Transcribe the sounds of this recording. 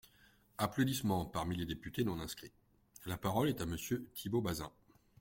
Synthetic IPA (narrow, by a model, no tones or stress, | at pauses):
aplod̪ismɑ̃paʁmiled̪epyt̪enɔ̃nɛ̃skχi | lapaʁɔlɛt̪aməsjøt̪ʰibobazɛ̰̃